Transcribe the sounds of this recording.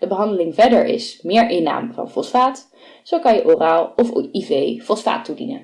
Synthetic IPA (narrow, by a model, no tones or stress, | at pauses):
d̥əbəɦɑndəlɪŋvɛɹdəɹʔɪ̰smɪːɹʔɪna̰ːmvɑ̰nfɔsfaːt | z̥owkɑnjəʔoraːlˠɔfivejfɔlˠsfa̰ːtːudḭnə̰n